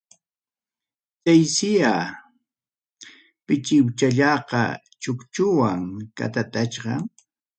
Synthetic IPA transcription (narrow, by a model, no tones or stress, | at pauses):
t̪ajsɪja | pɪt͡ʃɪwt͡ʃaʎɑqɑ̰ | t͡ʃʊkt͡ʃʊwaŋka̰t̪at̪at͡ʃɢɑ